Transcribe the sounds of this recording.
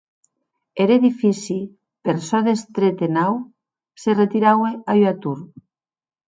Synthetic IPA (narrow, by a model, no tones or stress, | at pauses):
eɾeðifisi | peɾsɔðest̪ɾet̪enaw | seret̪iɾaweajwat̪uɾ